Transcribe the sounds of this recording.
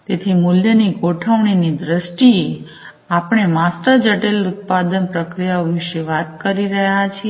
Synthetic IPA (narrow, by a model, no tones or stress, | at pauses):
t̪et̪ʰimʊljəniɡʱoʈʰəʋɳinid̪ɾəʃʈi | apəɳ̃emasʈəɾd͡ʒəʈelʊt̪̚pad̪ənpɾəkɾijaoʋɪʃeʋat̪kəɾiɾəjat͡ʃʰi